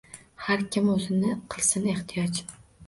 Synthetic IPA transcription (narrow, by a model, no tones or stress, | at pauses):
haɾkʲʰɪmɵzɪnɪqʰɨlˠsɪne̞ht̪ʰijɒt͡ʃ